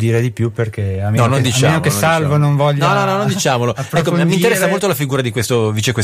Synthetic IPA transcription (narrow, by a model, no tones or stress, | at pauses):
d̪iːɾed̪ipjuperkeanɔnond̪it͡ʃaaenokesalvononɱvɔʎːnɔnɔnɔnõnd̪it͡ʃaːmolopːɾɛkkːomːint̪eɾɛsːamolt̪olafiɡuːɾad̪ikwest̪oviːt͡ʃekwe